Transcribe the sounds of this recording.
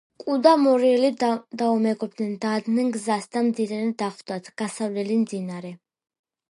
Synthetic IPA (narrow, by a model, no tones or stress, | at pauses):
kʼud̪amɔɾiɛlid̪aɔmɛɡɔb̚d̪nɛnd̪ad̪nɛnɡzasd̪amd̪iɾɛnɛd̪aχvd̪at̪ʰɡ̥asavlɛlimd̪inaɾɛ